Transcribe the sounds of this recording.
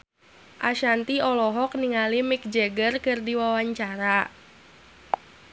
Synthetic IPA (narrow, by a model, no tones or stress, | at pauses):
ʔaʃant̪iɔlɔɦɔk̚niŋalimɪk̚d͡ʒɛɡərkɨrdiwawaɲt͡ʃaɾa